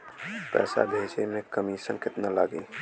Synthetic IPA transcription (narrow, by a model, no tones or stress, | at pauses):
pɛ̰ːsa̰bʱeːʃemẽkəmisə̃nkɪt̪nalaːɡiː